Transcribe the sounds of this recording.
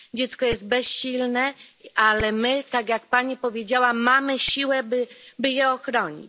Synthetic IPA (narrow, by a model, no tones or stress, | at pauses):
d͡ʑɛt̪skɔjɛzt̪̚bɛsɕilnɛalɛmɘt̪aɡjakpaɲipɔvʲjed͡ʑawamamɘɕiwɛbɘbɘjɛɔxɾɔɲḭt͡ɕ